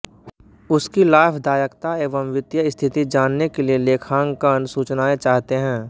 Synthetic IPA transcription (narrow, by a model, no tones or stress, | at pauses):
ʊskilaːpʰd̪aːjəkt̪aeːʋəmʋɪd̪jəɪst̪ʰɪt̪id͡ʒaːnːekelieleːkʰãːŋɡkənsuːt͡ʃnaːet͡ʃaːɦt̪eɦɛ̃ː